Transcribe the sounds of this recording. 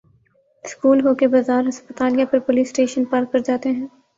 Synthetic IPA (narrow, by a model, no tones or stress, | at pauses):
skuːlɦoːkebazaːɾɦɐspət̪aːlijapɐɾpoliːsʈeːʃənpaːɾkːɐɾd͡ʒaːt̪eɦɛ̃ː